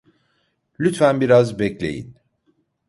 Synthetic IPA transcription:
lʲyt̪fænbiɾazbɛclʲe̞̰jḭn

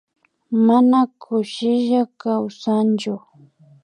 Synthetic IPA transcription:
manakʰʊʃɪʒakawsant͡ʃʊ

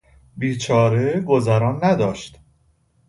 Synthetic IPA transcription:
biːt͡ʃʰɒːɾeɡozæɾɒːnːæd̪ɒːʃt̪

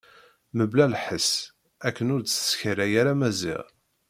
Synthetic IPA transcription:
məblælħəs | ækːənʊɾə̥sçəɾæjaɾæmæzḭʁ

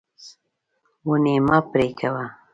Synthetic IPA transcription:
wunemapɾekawa

